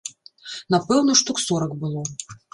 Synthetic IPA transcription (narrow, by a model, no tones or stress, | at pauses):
napɛwnɐʂt̪uksɔɾɐkbɨlˠɔ